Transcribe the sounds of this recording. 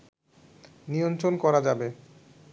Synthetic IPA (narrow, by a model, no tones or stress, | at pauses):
nijont̪ɾonkɔɾad͡ʑabe